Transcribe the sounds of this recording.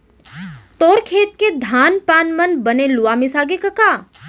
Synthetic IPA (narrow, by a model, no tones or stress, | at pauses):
t̪oːɾkʰeːt̪̚ked̪ʱaːnpaːnmənbəneluʋamisaːɡekəkaː